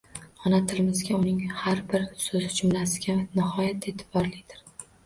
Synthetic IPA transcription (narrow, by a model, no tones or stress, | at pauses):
ɒnat̪ʰɪlɪmɪzɡʲaʊnɪŋhaɾbɪɾsɵzɪd͡ʒʰʊmlasɪɡʲanɪɦɒjat̪ʰːet̪ʰɪ̥bbɒɾlɪɡʲd̪̥ɪɾ